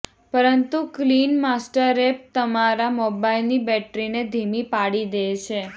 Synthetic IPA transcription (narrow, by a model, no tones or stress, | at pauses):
pəɾənt̪uklinmasʈəɾep̚t̪əmaɾamobailnibɛʈɾined̪ʱimipaɽid̪et͡ʃʰe